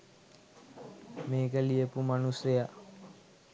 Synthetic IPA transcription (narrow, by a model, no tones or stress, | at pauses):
meːkəlijəpumanuseja